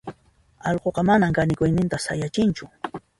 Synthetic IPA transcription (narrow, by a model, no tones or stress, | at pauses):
ɑʎqoqɑmanaŋkanɪkʊjnɪnt̪asajat͡ʃɪnt͡ʃʊ